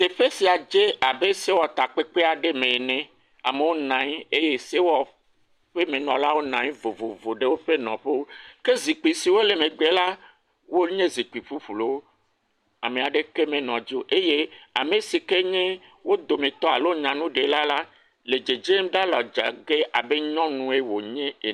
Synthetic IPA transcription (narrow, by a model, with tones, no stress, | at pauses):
t̪e˨ɸe˦si˨a˨d͡ʒe˦a˨be˦se˦wɔ˨t̪a˨k͡pe˦k͡pe˦a˨ɖe˦mẽ˨nɛ̃˨ | a̰˨me˨wo˦nã˨˦ɲ˦e˦je˦se˦wɔ˨ | ɸe˦mẽ˨nɔ̃˨la˦wo˦nã˨ɲĩ˦vo˨vo˨vo˨ɖe˦wo˦ɸe˦nɔ̃˨ɸe˦wo˦ke˦zi˨k͡pi˨si˨wo˦le˨mẽ˨ɡ͡be˦la˦ | wo˦ɲẽ˦zi˨k͡pi˨ɸu˦ɸu˨lo˨˦w | a˨mẽ˨a˨ɖe˦ke˦mẽ˨nɔ̃˨d͡ʒo˦ʔe˦je˦a˨me˨si˨ke˦ɲẽ˦ | wo˦d̪o˨mẽ˨t̪ɔ˦a˨lo˦ɲã˨nũ˦ɖe˨la˦la˦ | le˨d͡ʒe˨d͡ʒe˦mɖa˦lɔ˨d͡ʒa̰˨ɡe˦a˨be˦ɲɔ̃˦nũ˦e˦wo˨ɲẽ˦e˨